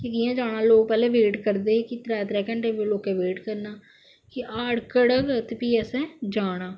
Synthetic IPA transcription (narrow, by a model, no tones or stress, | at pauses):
kɪd̪ɪjãːd͡ʒaːɽ̃ãːloːɡ̚pɛːlẽːʋeːʈkəɾd̪eːkɪt̪ɾaːt̪ɾɛːkə̃ɳʈeːbəloːkeːʋeːʈkəɾnaː | kɪʔaːɽkəɽəkət̪piːɛsɛ̃ːd͡ʒaːɽ̃aː